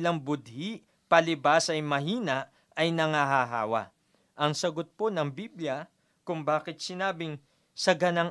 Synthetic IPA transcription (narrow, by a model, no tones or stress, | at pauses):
lɐŋbʊd̪̚hiʔ | pɐlɪbasɐjmɐɦiːnɐʔ | ɐjnɐŋaɦaɦa̰ːwɐ̰ | ʔɐŋsɐɡot̪̚ponɐŋbiːbljɐ | kʊŋbaːkɪt̪̚sɪnaːbɪŋ | sɐɡɐnɐŋ